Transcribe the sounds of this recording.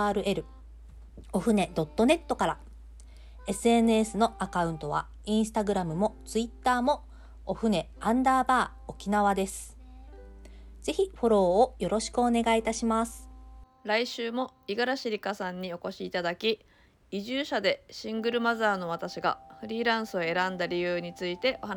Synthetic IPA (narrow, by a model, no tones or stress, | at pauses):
aːɾɯ̟ʔe̞ɾɯ̟ | o̞ɸɯ̟ne̞d̪o̞t̪ːo̞ne̞t̪ːo̞kaɾa | e̞sɨe̞nɯesɨno̞akaɯ̟̃nt̪o̞β̞a̰ | ĩsɨ̥t̪aɡɯ̟ɾamɯ̟mo̞t͡sɨit̪ːaːmo̞ | oɸɯ̟ne̞ãnd̪aːbaː | okʲinaβ̞ad̪e̞sɨ̥ | z̥e̞çiɸo̞ɾo̞ːjo̞ɾo̞ɕi̥kɯ̟one̞ɡait̪aɕimasɨ̥ | ɾaiɕɨːmo̞iɡaɾaɕiɾʲikasãɲ̟ːio̞ko̞ɕiːt̪ad̪akʲi | iʑɨːɕad̪e̞ɕĩŋɡɯ̟ɾɯ̟mazaːno̞β̞at̪aɕiɡa̰ɸɯ̟ɾʲiːɾãɰ̃sɨo̞e̞ɾãnd̪aɾʲijɯːɲ̟it͡sɨit̪e̞ʔo̞han